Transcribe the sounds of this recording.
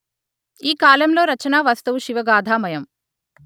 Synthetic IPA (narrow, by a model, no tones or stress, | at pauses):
iːkaːlɐmlo̞ːɾɐt͡ʃɐnaːʋaːst̪ɐwuʃiʋɐɡaːd̪ʱaːmɐjɐm